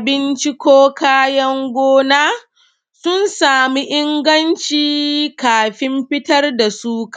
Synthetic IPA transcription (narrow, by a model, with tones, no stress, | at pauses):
a˨bɪ˦nt͡ʃi˦kʷoː˦kaː˦jɐ˦ŋɡʷoː˦naː˦ | sʊ˦nsaː˨mi˦ʔɪ˦ŋɡɐ˦nt͡ʃiː˦kaː˨ɸɪ˦mɸɪ˦tɐ˦rda˨suː˦kḁ˨